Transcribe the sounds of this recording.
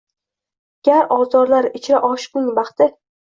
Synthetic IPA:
ɡ̥ʲaɾɒzɒɾlaɾɪt͡ʃʰɾaʔɒʃɪ̥qnɪŋbɑχt̪ɪ

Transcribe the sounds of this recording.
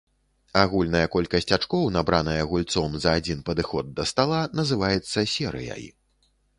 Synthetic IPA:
aɣulʲnɐjɐkɔlʲkɐsʲt͡sʲat͡ʂkɔwnabɾanɐjɐɣulʲt̪sɔmzɐːd͡zʲinpɐd̪ɨxɔd̪̚ːɐst̪alˠanɐzɨvajɛt̪sːɐsʲɛɾɨ̰jɐ̰j

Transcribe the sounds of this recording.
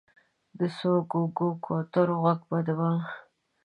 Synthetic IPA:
d̪əsoɡoɡokʰot̪ʊɾɣaɡbad̪awa

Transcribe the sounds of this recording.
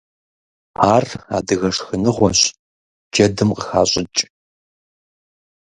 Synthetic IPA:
aːra̰ːdɨɣɐʂxɨnɨʁʷɔɕ | d͡ʒɐdɨmqəxaːɕʼɪt͡ʃʼ

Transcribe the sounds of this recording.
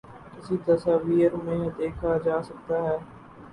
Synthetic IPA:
kɪsid̪ɐsaːʋiːəɾmẽːd̪eːkʰad͡ʒaːsɐk̚t̪aɦɛː

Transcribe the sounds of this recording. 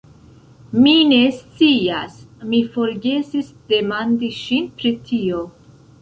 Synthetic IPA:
mine̞st͡siasmifo̞ɾɡe̞sisd̥e̞mandiʃinpɾitʰio̞

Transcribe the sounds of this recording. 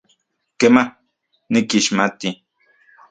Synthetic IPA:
kemah | nikiʃmat̪i

